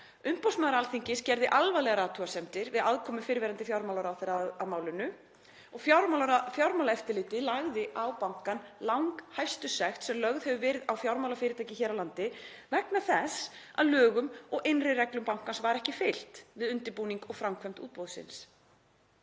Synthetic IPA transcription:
ʏmpowsmaːðɾalθiɲcɪscɛɾðɪʔalvajlɛɣaɾaːt̪ʰuasɛm̥t̪ɪɾvɪðaðkʰɔːmʏfɪɾvɛːɾant̪ɪfjawɾmawlaɾawθɛɾaaðmaːwlʏnʏ | ɔɣfjawɾmalfjawɾmawlaɛft̪ɪɾlɪːt̪ɪlaɣðɪʔawpawŋ̥kanlawŋkhajfst̪ʏsɛxt̪sɛmlœɣðhɛvʏvɛɾɪðawfjawɾmawlafɪːɾɪt̪ʰajcɪçɛːɾawlant̪ɪvɛknaθɛsa̰ðlœːɣʏmɔɣɪnrɪrɛklʏmpawŋ̥kansvaɾɛhcɪfejl̥t̪vɪðʏnt̪ɪɾpuːniŋkɔɣfɾawmkʰvɛm̥t̪ṵːt̪̚poðsɪ̰ns

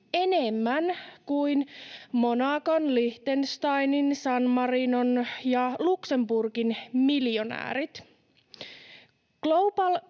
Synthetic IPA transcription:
e̞ne̞mːænkuijnmo̞nɑkonliht̪enst̪ɑjninsɑnmɑrino̞njɑlukse̞mburkinmiljo̞næ̰ːɾit̪ | klo̞wbɑl

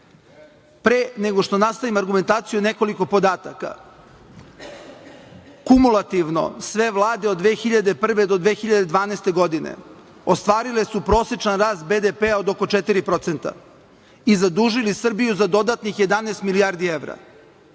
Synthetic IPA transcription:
pɾeneɡo̞ʂt̪o̞nast̪aʋimaɾɡume̞nt̪aːt̪sijune̞ko̞liko̞po̞d̪aːt̪aka̰ | kumulat̪iʋno̞̰sʋe̞ʋlˠaːd̪e̞od̪ːʋeːxiʎad̪epr̩ʋe̞d̪o̞d̪ʋeːxiʎad̪ed̪ʋaːneːst̪e̞ɡo̞d̪inḛ | o̞st̪ʋaːɾile̞supɾo̞ːsjet͡ʂanɾaːst̪̚be̞d̪epeao̞d̪oko̞t͡ʃet̪iɾipɾo̞t̪se̞nt̪a̰ | izad̪uːʒilisr̩bijuzad̪o̞d̪at̪nixje̞d̪anest̪milijaɾd̪ieʋɾa̰

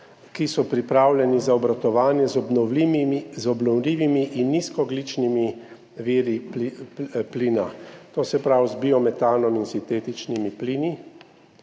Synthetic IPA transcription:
kisɔpɾipɾaːwlʲɛnizaɔbɾat̪ɔʋaːnjɛzɔbnɔizɔbnɔwliːʋimiʔinːiːskɔɡliːt͡ʃnimi | ʋiɾi | pliːna̰t̪oːsɛpɾawzbiɔmɛt̪aːnɔminsint̪eːt̪it͡ʃnimipliːni

